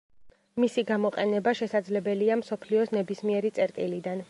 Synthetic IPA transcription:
misiɡamɔqʼɛnɛbaʃɛsad̪zlɛbɛliamsɔpʰliɔsnɛbismiɛɾit̪sʼɛɾt̪ʼilid̪an

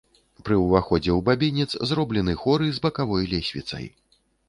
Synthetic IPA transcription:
pɾɨwvaxɔd͡zʲɛwbabʲinʲɛt̪szɾɔblʲɛnɨxɔɾɨzbɐkavɔjlʲɛsʲvʲḭt̪sɐ̰j

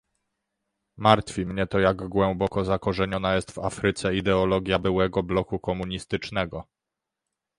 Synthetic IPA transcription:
maɾt̪fʲimɲɛt̪ɔjaɡɡwɛmbɔkɔzakɔʐɛɲɔnajɛst̪vafɾɘt̪sɛid̪ɛɔlɔɡʲjabɘwɛɡɔblɔkukɔmuɲist̪ɘt͡ʂnɛɡɔ

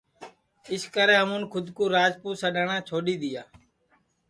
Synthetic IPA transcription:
ɪskəɾẽːɦəmũːnkʰʊd̪kuːɾaːd͡ʒpuːsəɗaːɳãːt͡ʃʰoːɗiːd̪ɪjaː

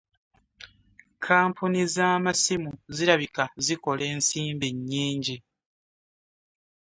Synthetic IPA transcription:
kʰaːmpʰunizaːmasimuziɾaβikaziko̞le̞ːnsiːmbeɲːiːɲɟi

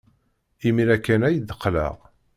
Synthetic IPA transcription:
imiɾækːænæjd̪ə̥qːlə̰ʁ

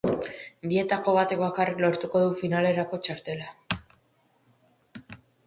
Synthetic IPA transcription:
d̪ie̞t̪ako̞β̞at̪e̞kbakariklo̞ɾt̪uko̞ðufinale̞ɾako̞t͡ʃaɾt̪e̞la

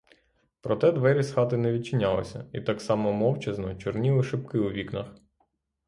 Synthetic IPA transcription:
pɾɔt̪ɛd̪ʋɛɾʲisxɑt̪ɪnɛʋʲid̪̚t͡ʃɪnʲalˠɪ̰sʲɐ̰it̪ɑksɑmɔmɔwt͡ʃɪznɔt͡ʃɔrnʲilˠɪʃɪpkɪuʋʲiknɐx

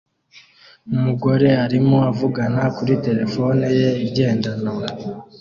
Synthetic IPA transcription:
umuɡo̞ɾe̞aɾimo̞avuɡanakuɾite̞ɾe̞fo̞neje̞iɟe̞ːndanow

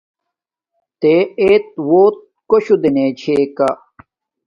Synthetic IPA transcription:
t̪eeːt̪̚woːt̪̚ | koɕud̪ineːt͡ɕʰeːka

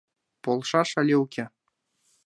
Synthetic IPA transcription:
polˠʂɑʂɑlʲeukʲĕ

